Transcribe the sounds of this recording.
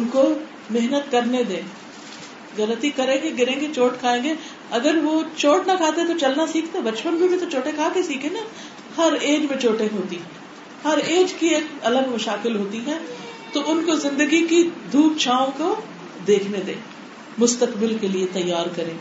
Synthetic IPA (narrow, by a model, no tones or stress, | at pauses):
ʊnko | mɪɦnət̪kɐɾned̪ẽː | ɣɐlət̪ikɐɾẽːɡeɡɪɾẽːɡet͡ʃoːʈkʰaːẽːɡe | ɐɡəɾʋot͡ʃoːʈnakʰaːt̪et̪ot͡ʃɐlnasiːkʰt̪ebɐt͡ʃpənbʱibʱit̪ot͡ʃoːʈẽkʰaːkesiːkʰẽna | hɐɾeːd͡ʒmẽt͡ʃoːʈẽɦoːt̪i | hɐɾeːd͡ʒkieːkɐləɡmɐʃaːkɪlɦoːt̪iɦɛ̃ː | t̪oʔʊnkozɪ̃nd̪əɡikid̪ʱuːp̚t͡ʃʰaːõko | d̪eːkʰned̪ḛ̃ː | mʊst̪əkbɪlkeliet̪ɐjːaːɾkɐɾẽː